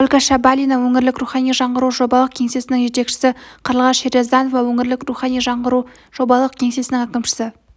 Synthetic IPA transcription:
olʲkaʃabalʲijnawɵŋɪɾlɪkruχɑnijʒɑɴʁəɾuʒobɑlˠəq̚kʲʰe̞ŋse̞sɪnɪŋʒe̞t̪e̞kʃɪ̥sɪqʰəɾəlˠʁɑseɾjazd̪ɑnovɑwɵŋɪɾlɪkɾuχɑnijʒɑɴəɾu | ʒ̥o̞bɑlˠəq̚kʲʰe̞ŋse̞sɪnɪŋækʲɪmʃɪ̥sɪ

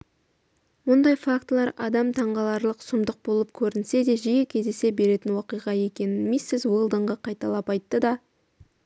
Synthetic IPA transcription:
mʊnd̪ɑjfakt̪lˠɑɾɑd̪ɑmt̪ʰɑɴʁɑlˠɑɾlˠəqsʊmd̪əq̚bo̞lˠəp̚kʲʰɵɾɪnse̞d̪e̞ʒijekʲʰe̞zd̪ese̞be̞ɾe̞t̪ɪnwɑqijʁɑe̞kʲe̞nɪnmesːɪzwolˠd̪əɴʁəqʰɑjt̪ɑlˠɑpɑjt̪ːəd̪ɑ

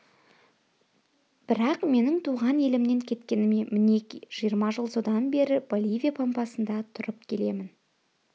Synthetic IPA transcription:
b̥ɪɾɑqme̞nɪŋt̪ʰuʁɑne̞lɪmne̞ŋkʲʰe̞t̪kʲe̞nɪmemɪne̞kʲiʒ̥ijəɾmɑʒəlˠsod̪ɑnbe̞ɾɪbo̞lʲivʲijapʰɑmpɑsənd̪ɑt̪ʰʊɾəpkʲʰe̞le̞mɪn

